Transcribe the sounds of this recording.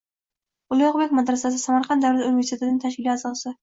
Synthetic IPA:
ʊlˠɪjɑqbekʲmad̪ɾasasɪsamaɾqʰɑnd̪awɾat̪unve̞ɾst̪ʰet̪nɪŋʲt̪ʰaʃ̬kʲɪlʲiazɒsɪ

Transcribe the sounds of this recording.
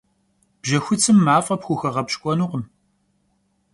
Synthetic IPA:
b̥ʒɐxʷʊt͡sʰʼɨmːaːfʼɐpxʷʊxɐʁɐpɕkʷʼɔnuʁəm

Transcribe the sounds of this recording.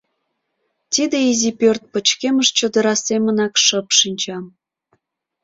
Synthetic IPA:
t̪id̪eizipørt̪̚pət͡ɕkeməʃt͡ɕəd̪əɾɑsemənɑkʃəpʃinʲt͡ɕɑm

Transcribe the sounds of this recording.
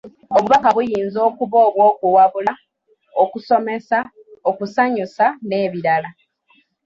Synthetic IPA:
o̞βuβakaβujiːnzo̞ːkuβo̞ːβwo̞ːkuwaβula | o̞kuso̞me̞sa | o̞kusaɲusane̞ːβiɾala

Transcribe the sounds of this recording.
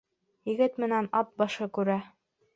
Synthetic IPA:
jɘ̆ɡɘt̪mɘ̆nænɑp̪̚bɑʃɤkʉɾæ

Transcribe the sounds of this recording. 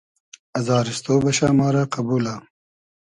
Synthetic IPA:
ɐzɑːɾɪst̪oːbɐʃaːmɑːɾaqabuːla

